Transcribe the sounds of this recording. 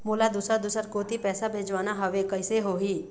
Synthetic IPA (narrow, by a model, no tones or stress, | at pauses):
moːlad̪uːsəɾd̪uːsəɾkoːt̪ipɛːsabʱeːd͡ʒʋaːnaɦɐʋekɐɪseɦoːɦiː